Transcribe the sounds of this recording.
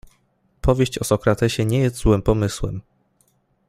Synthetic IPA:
pʰɔvʲjeɕt͡ɕɔsɔkɾat̪ɛɕɛɲɛjɛst̪zwɘmpɔmɘswɛm

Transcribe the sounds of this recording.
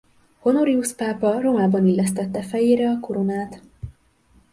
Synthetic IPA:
ho̞no̞ɾiuspaːpɒro̞maːbɒnilːɛst̪ɛt̪ːɛfɛjeːɾɛɒko̞ɾonaːt̪

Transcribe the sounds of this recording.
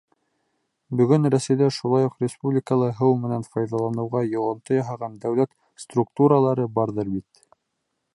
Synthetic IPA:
bɵ̆ɡɵnɾæsɘ̆jd̪æɾʃulˠɑjuqrʲɪspublʲɪkəlˠɤɦɤwmɘ̆nænfɑjðɑlˠɑnɤ̆wʁɑjŏʁŏnt̪ɤjɑɦɑʁɑnd̪æwlæk | st̪ruk̚t̪uɾəlˠɑɾɤbɑɾðɤɾbit̪

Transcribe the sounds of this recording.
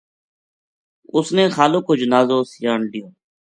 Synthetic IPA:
ʊsneːxaːloːkoːd͡ʒənaːzoːsjaːɳɗɪjoː

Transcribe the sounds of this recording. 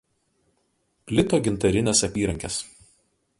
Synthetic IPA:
pʲlʲɪt̪oːɡʲɪnt̪ɐɾʲɪnʲeːsɐpʲiːɾɐŋʲkʲes

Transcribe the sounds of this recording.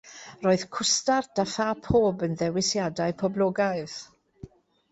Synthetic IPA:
roːɨð̥kʰʊstard̥afapʰoːbənðɛwɪsjadaɨpʰɔblˠoːɡaɨð̥

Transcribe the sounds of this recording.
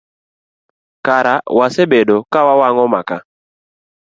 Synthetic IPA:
kaɾawasebedokawawaŋɔmaka

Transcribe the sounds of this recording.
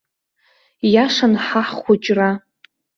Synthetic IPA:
jaʂanħaħχʷʊt͡ʃʼra

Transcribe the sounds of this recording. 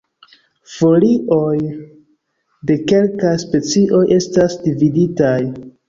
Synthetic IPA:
fo̞liʔo̞j | de̞ke̞lkajspe̞t͡siʔo̞jʔe̞stasdividitaj

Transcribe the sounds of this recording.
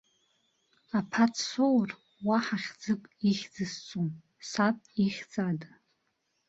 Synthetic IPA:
apʰat͡sʰsowr | waħaχʲd͡zɨkʼiχʲd͡zɨst͡sʼum | sapʼiχʲd͡zadʼ

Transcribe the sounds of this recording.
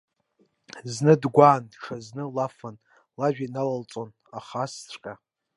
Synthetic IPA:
znɨdɡʷaːndʂaznɨlafan | laʒᶣanalalt͡sʼon | aχasʈ͡ʂʷʰʼqʲʼa

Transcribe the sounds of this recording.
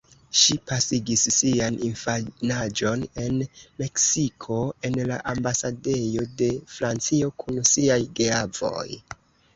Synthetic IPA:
ʃipasiɡisːianinfanad͡ʒo̞ne̞nme̞ksikʰo̞e̞nla̰ʔambasade̞jo̞de̞fɾant͡sio̞kʰunsiajɡeavo̞̰j

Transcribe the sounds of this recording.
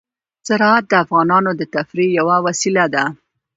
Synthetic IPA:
z̥aɾɑat̪̚d̪əafɣɑnɑnod̪ət̪afɾijawawasilad̪a

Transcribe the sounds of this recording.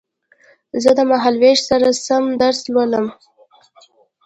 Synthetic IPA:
zəd̪əmaɦalweʒsaɾasamd̪aɾslwaləm

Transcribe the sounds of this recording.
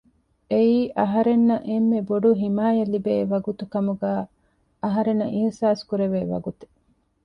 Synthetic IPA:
eiːʔɐɦɐɾenːɐʔemːeboɖuɦimaːjɐlibeːʋɐɡut̪ukɐmuɡæː | ɐɦɐɾenɐʔihsaːskuɾeʋeːʋɐ̰ɡut̪e̥

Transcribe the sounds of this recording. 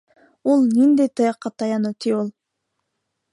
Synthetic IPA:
ulˠnʲind̪ejt̪ɯjɑqːɑt̪ɑjɑnot̪ʰiolˠ

